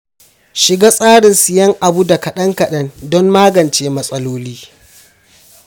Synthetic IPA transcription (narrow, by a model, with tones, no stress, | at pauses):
ʃɪ˨ɡa˦sʼaː˦ɽɪ˨nsu˨jɐ˦ŋʔa˨bu˦da˨kɐ˨ɗɐ˦ŋkɐ˨ɗɐ˦ndɔ˦mːaː˦ɡɐ˨nt͡ʃeː˦mɐ˦sʼɐ˦loː˦liː˦